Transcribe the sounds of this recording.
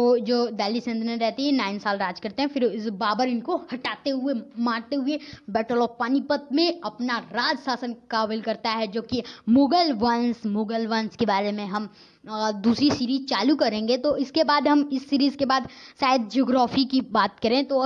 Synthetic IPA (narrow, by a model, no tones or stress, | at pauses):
oːd͡ʒoːd̪ɛːlisẽnd̪nẽɾɛɦt̪iɦɛ̃naːɪnsaːlɾaːd͡ʒkɐɾt̪eɦɛ̃fɪɾɪbaːbəɾɪnkohɐʈaːt̪eɦʊemãːɾt̪eɦʊebɛːʈəlɔːpaːnipət̪̚mẽɐpnaɾaːd͡ʒsaːsənkaʋɪlkɐɾt̪aɦɛd͡ʒoːkimoːɡəlʋɐnsmoːɡəlʋɐ̃nskebaːɾemẽɦɐm | d̪uːsɾisiːɾiːzt͡ʃaːlukɐɾẽːŋɡet̪oɪskebaːd̪ɦɐmɪsːiːɾiːzkebaːd̪saːjd̪̚d͡ʒoːɡɾaːfikibaːt̪̚kɐɾẽːt̪o